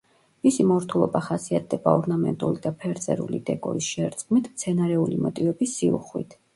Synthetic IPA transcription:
misimɔɾt̪ʰulˠɔbaχasiat̪̚ʰd̪ɛbaɔɾnamɛ̰nt̪ʼulid̪apʰɛɾt̪sʼɛ̰ɾṵlḭd̪ɛkʼɔ̰ɾisʃɛɾt̪sʼkʼmit̪ʰmt̪sʰɛnaɾɛulimɔt̪ʼivɛbisːiṵχwḭt̪ʰ

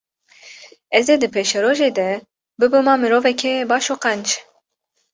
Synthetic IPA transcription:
ɛzd̪ed̪ɨpʰeʃɛɾoːʒeːd̪ɛ | bɨbɨmɑːmɨɾoːvɛkʲʰɛbɑːʃoːqɛnd͡ʒ

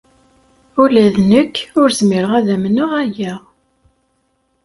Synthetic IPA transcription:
ulæðnəkːʊɾzmɪɾəʁæðæmənʊʁæjæ

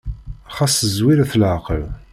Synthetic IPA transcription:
χasəzwiɾæθlʕqəl

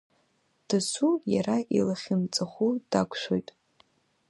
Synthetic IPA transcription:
d̥ɨsujaɾaʔḭlaχʲɪnt͡sʼaχʷud̥akʷʰʼʃʷo̞jtʼ

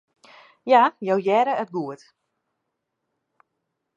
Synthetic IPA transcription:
jajowjɛɾəət̚ɡuət

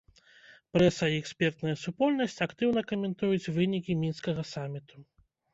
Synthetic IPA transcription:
pɾɛsɐiɛksʲpʲɛrt̪nɐjɐsupɔlʲnɐsʲt͡sʲɐkt̪ɨwn̪ɐkɐmʲɛnt̪ujut͡sʲvɨnʲikʲimʲinskɐɣɐsamʲit̪u̥

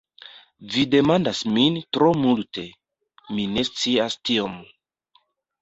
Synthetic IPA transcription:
vide̞mandasmintɾo̞multʰe̞ | mine̞st͡siastiom

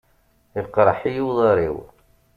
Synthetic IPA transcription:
iqːɾˤɑħijiwðˤɑɾˤḭw

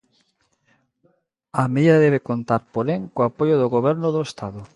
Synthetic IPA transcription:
ameðiðaðɛβ̞ekont̪aɾpoɾeŋkoapojoðoɣoβɛɾnoðoest̪aðʊ

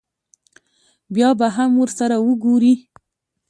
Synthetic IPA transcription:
bjɑbaɦamwəɾsaɾawəɡoɾi

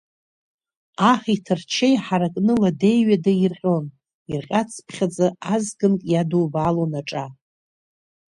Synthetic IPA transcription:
aχitʰɨrt͡ʃʰejħaɾakʼnɨlade̞jɥadairqʲʼo̞n | irqʲʼat͡sʰpʰχʲad͡zʼaazɡɨnkʼjadubalonaʈ͡ʂʼa

